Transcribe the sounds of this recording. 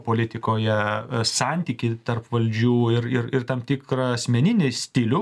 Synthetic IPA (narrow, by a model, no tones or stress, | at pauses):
poːlʲɪt̪ʲɪkoːjɛsɑnʲt̪ʲiːkʲɪt̪ɐrpʋɐlʲd͡ʒʲuːɪɾɪɾɪrt̪ɐmt̪ʲɪkɾɐɐsʲmʲɛnʲɪnʲɪsʲt̪ʲɪlʲʊ